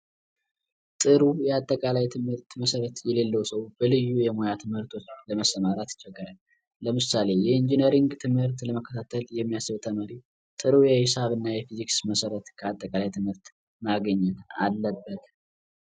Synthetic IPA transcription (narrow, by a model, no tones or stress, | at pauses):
t̪ʼɨɾujɛat̪ʼːəkʼalajt̪ʰɨmhɨɾt̪məsəɾət̪jɛle̞lːəwsəwb̥əlɨjːujɛmojat̪ʰɨmhɨɾt̪ʰo̞t͡ʃːləməsəmaɾat̪ɨ̥t͡ʃːɛɡːəɾal | ləmɨsale̞jɛind͡ʒinəɾiŋɡt̪ʰɨmhɨɾt̪ləməkʰːət̪ʰat̪ʰəljɛmːijasɨβt̪ʰəməɾi | t̪ʼɨɾujɛhɪsaβɨnːajɛfiziksməsəɾət̪kʰəat̪ʼːəkʼalajt̪ʰɨmhɨɾt̪ | maɡəɲːɛna̰lːəbːət̪